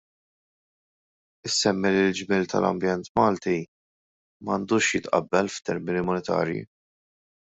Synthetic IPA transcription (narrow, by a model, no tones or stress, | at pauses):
ɪsːɛmːilild͡ʒmɪːlt̪ɐ̰lɐ̰mbjɛnt̪mɐːlt̪i | mɐnd̪uːʃjɪt̪ʔɐ̰bːɛlft̪ɛɾmɪnimʊnɛt̪ɐ̰ːɾjḭ